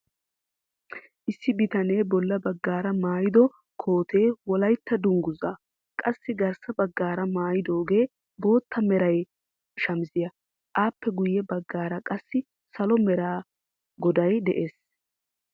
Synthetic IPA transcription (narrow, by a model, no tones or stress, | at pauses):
ʔɪsːɪbɪt̪ɐneːbɔlːɐbɐɡːaːɾɐmaːjɪd̪ɔ | kʰo̞ːt̪ʰe̞ːwɔlɐjt̪ʰːɐd̪ʊŋɡʊzaː | kʼɐsːɪɡɐɾsɐbɐɡːaːɾɐmaːjɪd̪o̞ːɡe̞ː | bo̞ːt̪ʰːɐmɛɾɐj | ʃɐmzɪjɐ | ʔaːpːɛɡʊjːɛbɐɡːaːɾɐkʼɐsːɪ | sɐlɔmɛɾaː | ɡɔd̪ɐjd̪ɛʔe̞ːs